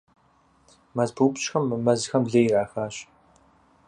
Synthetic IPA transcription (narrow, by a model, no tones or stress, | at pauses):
mɐzbuːpt͡ʃxɐmːɨmɐzɨxɐmɮejraːxaːɕ